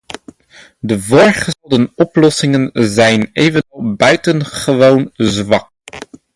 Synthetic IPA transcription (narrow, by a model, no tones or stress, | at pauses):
dəvoːɹχəlˠdənɔplɔsɪŋənzɛjnejvənɔlˠbœɥtənχəʋownzʋɑk̚